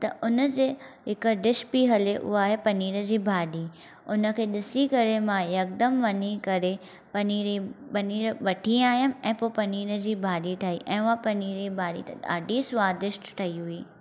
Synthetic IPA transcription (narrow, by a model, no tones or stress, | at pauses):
t̪ɐʔʊnə̆d͡ʑeːɦɪkə̆ɖɪʃpiɦɐleʔʊ̰ɦaːɦepɐniːɾəd͡ʑiːbʱaːɗiː | ʊnə̆kʰeːɗɪsikɐɾemãjɐk̚d̪əmʋɐɲikɐɾe | pɐniːɾibɐniːɾʋɐʈʰiaːjəm̆ɛ̃ːpopɐniːɾəd͡ʑiːbʱaːɗiʈʰaːiʔɛ̃ːʊapɐniːɾibʱaːɽḭt̪ɐa̰ːɖisʊʋaːd̪ɪʃʈʈʰɐiɦʊiː